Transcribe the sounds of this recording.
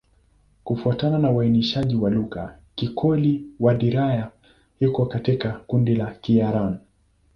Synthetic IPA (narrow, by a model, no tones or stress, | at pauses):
kufuatananauwainiʃaʄiwaluɣa̰ | kikʰɔliwaɗiɾaja | hikɔkatikakundilakijaɾan